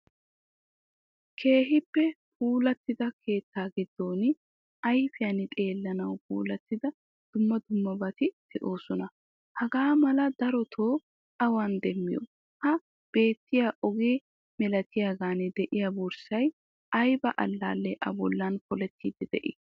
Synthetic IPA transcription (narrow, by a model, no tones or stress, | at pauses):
kʰe̞ːɦɪpːɛpuːlɐt̪ːɪd̪ɐkʰe̞ːt̪ːaːɡɪd̪ːo̞ːn | ʔɐjfɪjɐnɪt̪ʼe̞ːlːɐnɐwpṵːlɐt̪ːɪd̪ɐ | d̪̥ʊmːɐd̪ʊmːɐbɐt̪ɪd̪̥ɛʔo̞ːsɔnɐ | hɐɡaːmɐlɐd̪ɐɾɔt̪ʰoː | ʔɐwɐnd̪ɛmːɪ̰jɔ̰ | hɐ | b̥e̞ːt̪ːɪjaʔɔɡeː | mɛlɐt̪ɪjaɡaːnɛd̪ɛʔɪjɐbʊɾsɐj | ɐjbɐʔɐ̰lːa̰ːlːɛʔɐ̰bɔlːɐnkɔlɛt̪ːiːd̪ɛd̪ɛ̰ʔɪ̰